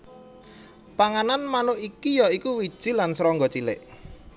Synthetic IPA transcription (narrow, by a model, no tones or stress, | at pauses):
paŋananmanʊikijɔikuwid̥ʒ̥i̤lansɾɔŋɡɔt͡ʃilɪ̰ʔ